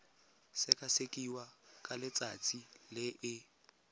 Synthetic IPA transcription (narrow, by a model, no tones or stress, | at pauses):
sɪkʼasekʼiwakʼalɪt͡sʼat͡sʼilɪʔɪ